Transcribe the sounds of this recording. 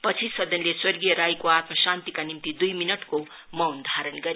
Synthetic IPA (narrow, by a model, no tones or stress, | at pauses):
pʌt͡sʰisʌd̪ʱʌnleswʌrɡijʌɾajkoat̪mʌsant̪ikanimt̪id̪ujminʌʈko | mʌwnd̪ʱaɾʌnɡʌɾe